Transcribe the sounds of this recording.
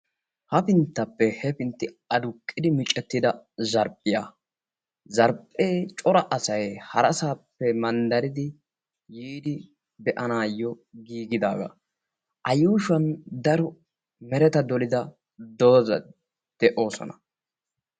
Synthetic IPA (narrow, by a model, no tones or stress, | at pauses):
hɐpɪnt̪ːɐpːɛhɛpɪnt̪ːɪ | ɐd̪ʊkʼːɪd̪ɪmɪt͡ʃʼːɛt̪ːɪd̪ɐzɐɾpʼːɪjaː | zɐɾpʼːeːt͡ʃʼɔɾɐʔɐsɐjhɐɾɐsaːpːɛmɐnd̪ɐɾɪd̪ɪ | jiːd̪ɪ | bɛʔɐnaːjːɔɡiːɡɪd̪aːɡɐ̰ | ʔɐjuːʃɐnd̪ɐɾɔ | mɛɾɛt̪ɐd̪ɔlɪd̪ɐ | d̪oːzɐ̰ | d̪̥ɛʔo̞ːsɔ̰nɐ